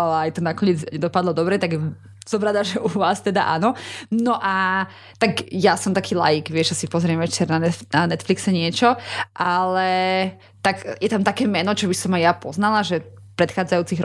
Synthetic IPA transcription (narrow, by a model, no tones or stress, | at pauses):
alaːjt̪ɔnakɔɲɪɛd͡zɲɛd̪ɔpad̪lɔd̪ɔbɾɛt̪aɡ | sɔmɾad̪aʒɛʔuʋaːst̪ɛd̪a̰ʔa̰nɔnɔʔa | t̪aɡjasɔmt̪akʰiːla̰jiɡʋɪɛʒasipɔzɾɪɛmʋɛt͡ʃɛɾnanɛnanɛt̪fliksɛɲɪɛt͡ʃɔʔalɛ | t̪aɡjɛt̪amt̪akɛːmɛnɔt͡ʃɔbisɔmajapɔznalaʒɛpɾɛt̪xaːd͡zajuːt͡siɣɾ